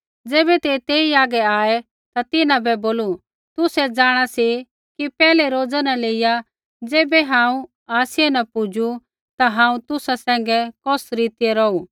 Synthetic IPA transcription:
d͡zeːbɛt̪et̪eːiaːɡɛaːɛ | t̪at̪ɪnãbɛboːlu | t̪ʊsɛd͡zaːɽ̃asi | kipɛːlɛɾoːd͡zanaleːɪja | d͡zeːbɛɦãːũ | aːsɪjɛnɐpʊd͡ʒu | t̪aɦãːũt̪ʊsasɛ̃ːŋ̆ɡɛkɔsɾiːt̪ɪjeɾɔuː

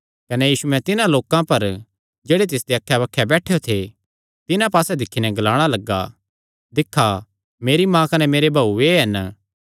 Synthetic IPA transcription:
kɐnɛjiːsuɛ̃t̪ɪnãloːkãpɐɾ | d͡ʒeːɽet̪ɪsd̪eɐkʰːjabɐkʰːjɛbɛːʈʰejot̪ʰe | t̪ɪnãpaːsɛd̪ɪkʰːinɛɡɐlaːɽ̃alɐɡːa̰ | d̪ɪkʰːa | meːɾimãkɐnɛmeːɾebʱaːueɦɐn

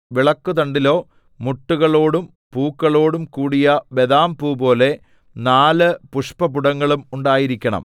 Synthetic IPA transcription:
ʋiɭɐkːut̪ɐɳɖilo̞ː | muʈːuɣɐɭo̞ːɽum | puːkːɐɭo̞ːɽumkuːɽijɐbe̞ðaːmpuːpo̞ːle̞ | naːlɨpuʂpɐpuɽɐŋːɐɭumuɳɖaːjiɾikʲːɐɳɐ̰m

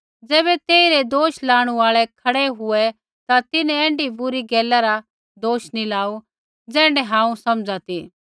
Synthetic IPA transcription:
d͡zɛːβɛt̪eːiɾɛd̪oːʃlaːɽ̃uaːɭɛkʰɐɽɛɦʊɛ | t̪at̪ɪnɛɛ̃ːɳɖibʊɾiɡɛːlaɾa | d̪oːʃnilaːu | d͡zɛ̃ːɳɖɛɦãːũsɐmd͡zat̪i

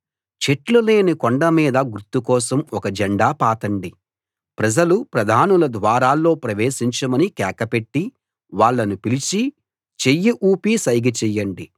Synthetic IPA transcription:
t͡ʃe̞ʈlule̞ːnikoɳɖɐmiːd̪ɐɡuɾt̪ːukɔːsɐmɔkɐd͡ʒɛɳɖaːpaːt̪ɐɳɖi | pɾɐd͡ʒɐlupɾɐd̪ʱaːnulɐd̪ʋaːɾaːlːo̞ːpɾɐʋe̞ːʃiɲt͡ʃɐmɐnikɛːkɐpe̞ʈːi | ʋaːɭːɐnupilit͡ʃi | t͡ʃejːiʔuːpisɐjɡɐt͡ʃɛjːɐɳɖi

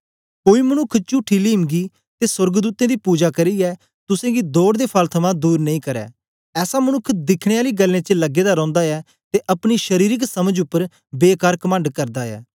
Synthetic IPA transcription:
koːiːmənʊkʰːt͡ʃʊːʈʰiːliːmɡiː | t̪eːsʊɾɡd̪uːt̪ẽːd̪iːpuːd͡ʒaːkəɾiːɛː | t̪ʊsẽːɡiːd̪oːɽd̪eːpʰəlt̪ʰəmãːd̪uːɾnəĩːkəɾɛ̰ː | ɛːsaːmənʊkʰd̪ɪkʰɽ̃eːaːliːɡəlːẽːt͡ʃələɡeːd̪aːɾɔ̃ːnd̪aːɛː | t̪eːʔɐpɽ̃iʃəɾiːɾɪksəməd͡ʒʊpːəɾ | beːkaːɾkəmə̃ːɳɖkəɾd̪aːɛ̰ː

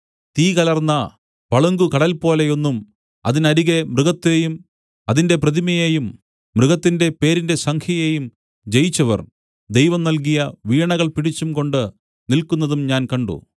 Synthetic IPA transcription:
t̪iːkɐlɐrnːɐ | pɐɭuŋɡukɐɽɐlpo̞ːle̞jo̞nːum | ɐ̰ðinɐɾiɣe̞mrɨɣɐt̪ːejum | ɐðinde̞prɐðimɐjejumː | rɨɣɐt̪ːinde̞pe̞ːɾinde̞sɐŋkʰjɐjeːjum | d͡ʑe̞jit͡ɕːɐʋɐ̰r | d̪ejʋɐmnɐlkijɐʋiːɳɐɣɐɭpiɽit͡ɕːumko̞ɳɖɨ | nilkunːɐðumɲaːnkɐɳɖṵ

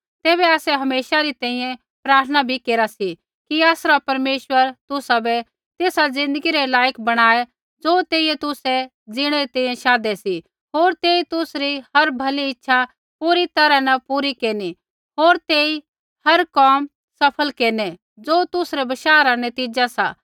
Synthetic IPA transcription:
t̪eːβɛaːsɛɦɐmeːʃaɾit̪ɛ̃ːĩjɛ̃ | pɾaːɾt̪ʰənabʱikeːɾasi | kiaːsɾapɐɾmeːʃwəɾt̪ʊsabɛ | t̪eːsad͡zɪ̃nd̪əɡiɾɛlaːjəkbɐɽ̃aːe | d͡zoːt̪eːijɛt̪ʊsɛ | d͡zɪɽ̃ɛɾit̪ɛ̃ːĩjɛ̃ʃaːd̪ɛsi | ɦoːɾt̪eːit̪ʊsɾihɐɾbʱɐliɪtːʃʰa | puɾit̪ɐɾanɐpuːɾikeːni | ɦoːɾt̪eːi | hɐɾkaːm | sɐpʰəlkeːnɛ | d͡zoːt̪ʊsɾɛbɐʃaːɾanɐt̪iːd͡ʒasa̰ː

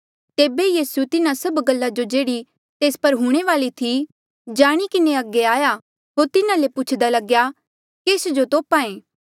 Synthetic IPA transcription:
t̪eːbejiːsut̪ɪnãsɐbɡɐlːad͡ʒod͡ʒeːɽi | t̪eːspɐɾɦuɽ̃eʋaːlit̪ʰi | d͡ʒaːɽ̃ikɪneɐɡeaːja | ɦoːɾt̪ɪnãlepʊt͡ʃʰd̪alɐɡja | keːsd͡ʒot̪oːpãːẽː

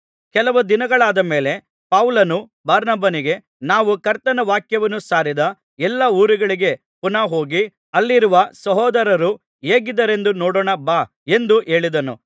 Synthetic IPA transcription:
kɛlɐʋud̪inɐɡɐɭaːd̪ɐme̞ːle̞ | pɐʋlɐnu | baːɾnɐbɐniɡe̞ | naːʋukɐɾt̪ɐnɐʋaːkjɐʋɐnusaːɾid̪ɐ | ɛlːɐuːɾiɡɐɭiɡe̞ | punaːɦo̞ːɡi | ɐlːiɾuʋɐsɐɦɔːd̪ɐɾɐɾu | eːɡid̪ɐɾe̞nd̪unɔːɽɔːɳɐbaː | e̞nd̪uʔe̞ːɭid̪ɐnṵ

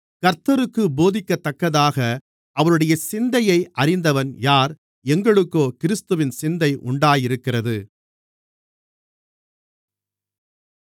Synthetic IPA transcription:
kɐɾt̪ːɐɾɯkːɯboːðɪkːɐt̪ːɐkːɐðaːɣɐ | ʔɐʋɐnɯɽɐjɐsɪnd̪ɐjɐɪʔɐrɪnd̪ɐʋɐnjaːɾ | ɛŋɡɐɭɯkːoːkɪɾɪst̪ɯʋɪnsɪnd̪ɐɪʔʊ̰ɳɖaːjɪɾɯkːɪrɐðɯ

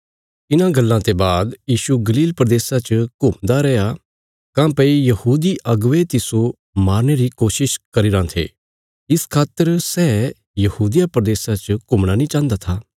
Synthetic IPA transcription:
ɪnãɡɐlːãt̪ebaːd̪jiːʃuɡɐliːlpɾɐd̪eːsãt͡ʃəkʊmd̪aɾɛːja | kãːpeijɐhuːd̪iʔɐɡʋet̪ɪso | maːɾñeɾikoːʃɪʃkɐɾiɾãt̪ʰḛː | ɪskʰaːt̪ːəɾsɛː | jɐhuːd̪ijapɾɐd̪eːsãt͡ʃəkʊmɽ̃anĩt͡ʃãːnd̪at̪ʰaː

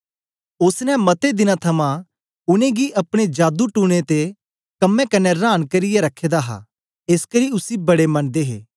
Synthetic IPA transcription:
ʊsnɛmɐt̪ed̪ɪnãt̪ʰɐmã | ʊnẽɡiʔɐpɽ̃ed͡ʒaːd̪uʈuːɽ̃et̪e | kɐmːẽkɐnɛɾaːnkɐɾɪjeɾɐkʰːeːd̪aɦa̰ | eːskɐɾiʊsibɐɽemɐnd̪eːɦḛː

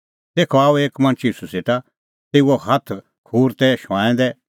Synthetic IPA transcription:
t̪eːkʰɔaːueːkmɐ̃nt͡ʃiːsuseʈa | t̪eːuɔhɐt̪ʰ | kʰuːɾt̪ɛʃãːɛ̃d̪ɛ

